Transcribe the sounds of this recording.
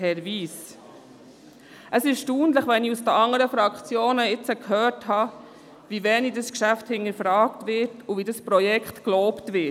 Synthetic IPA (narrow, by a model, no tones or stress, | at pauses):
hɛɾviːs | ʔəsɪʃtuːndləχʋɛniusd̥əɑŋːəɾəfɾɑkχt͡sjoːnəɪt͡səkhœːthɑː | vivɛːnidɑskʃæfthɪnəɾfɾɑːktvɪɾtʊvidɑspɾɔjɛkχtklɔːptʋɪ